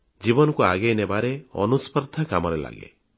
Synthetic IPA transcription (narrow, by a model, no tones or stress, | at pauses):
d͡ʒibɔnɔkua̰ɡejnebaɾeɔ̰nuspɔɾd̪ʱakamɔɾela̰ɡḛ